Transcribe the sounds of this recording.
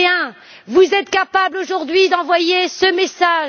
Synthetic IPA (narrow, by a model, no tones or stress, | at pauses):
ɛ̃ | vuzɛt̪kapabloʒuʁd̪ɥid̪ɑ̃vwajesəmesaʒ